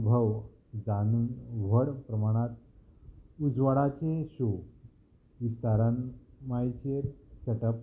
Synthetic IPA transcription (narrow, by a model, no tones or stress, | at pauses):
bʱəʋ | d͡zanuːnʋəɽpɾəmaɽ̃at̪̚ | ud͡zʋəɽat͡seɕo | ʋist̪aɾanmajt͡ɕeɾseʈəp